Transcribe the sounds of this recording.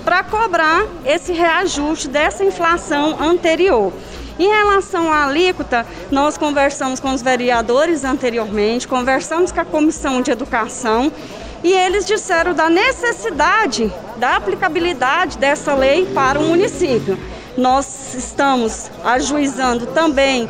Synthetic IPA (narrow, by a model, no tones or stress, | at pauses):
pɾɐkobɾaɾ | esɪɦeaʒust͡ʃɪd̪ɛsɐĩflasɐ̃w̃ɐ̃nt̪eɾioɾ | ẽj̃helasɐ̃w̃alikut̪ɐ | nɔskõveɾsɐ̃mʊskõʊzveɾiad̪oɾɪzɐ̃nt̪eɾioɾmẽnt͡ʃɪ̥kõveɾsɐ̃mʊskõɐkomisɐ̃w̃d͡ʒɪed̪ukasɐ̃w̃ | ielɪzd͡ʒisɛɾɐ̃w̃d̪ɐnesesid̪ad͡ʒɪ | d̪ɐaplikabilid̪ad͡ʒɪd̪ɛsɐlejpaɾɐũmũnisipjʊ | nɔz | ɪst̪ɐ̃mʊz | aʒuizɐ̃nd̪ʊt̪ɐ̃mbẽj̃